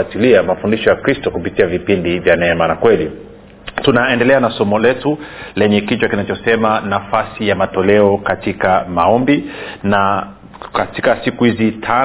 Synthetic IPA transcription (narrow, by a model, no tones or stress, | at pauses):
atiliamafundiʃɔjakɾistɔkupitiavipindivjanɛɛmanakwɛli | tunaɛndɛlɛanasɔmɔlɛtulɛɲɛkit͡ʃwakinat͡ʃɔsɛmanafasijamatɔlɛɔkatikamaɔmbina | katikasikuhizitʰa